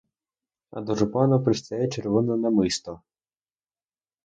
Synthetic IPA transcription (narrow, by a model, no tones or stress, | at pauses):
ɐ̰d̪ɔʐʊpɑnɐpɾɪst̪ɐjɛt͡ʃeɾʋɔnɔnɐmɪst̪ɔ